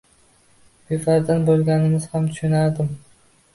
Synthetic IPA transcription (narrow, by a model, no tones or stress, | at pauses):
befaɾd̪anbolˠɡʲanɪmɪzhamt̪ʰʊ̥ʃʊnaɾd̪ɪm